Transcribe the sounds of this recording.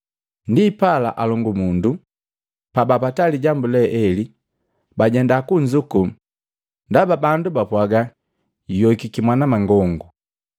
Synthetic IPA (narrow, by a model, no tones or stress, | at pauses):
ndiːpala̰ʔalɔŋɡumundu | pabapataliɟambulɛʔɛli | baɟɛndakuɲd͡ʒuku | ndababandubapwaɡa | jɔkikimwanamaŋɡɔŋɡu